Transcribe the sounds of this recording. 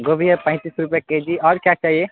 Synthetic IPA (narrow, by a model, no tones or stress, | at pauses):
ɡobʱijepə̃j̃t̪isɾupjaked͡ʒiɔːɾkjat͡ʃaːɦie